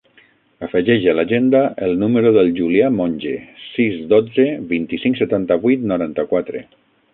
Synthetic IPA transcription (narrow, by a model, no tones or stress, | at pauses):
əfəʒɛʒəalaʒend̪aʔəlˠnuməɾoðəlˠʒuliamõnʲʒesizd̪od͡zeβint̪isiŋksət̪ant̪əβujt̪nuɾant̪əkwat̪ɾḛ